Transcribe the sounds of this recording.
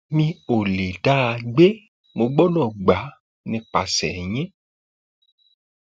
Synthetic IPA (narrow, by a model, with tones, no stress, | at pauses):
mĩ˧˦o˨le˨da˦˧ɡ͡be˦ | mo˧ɡ͡bɔ˦nɔ̃˦˨ɡ͡ba˨˦ | nĩ˧k͡pa˨sɛ˨ɲ̃ẽ˦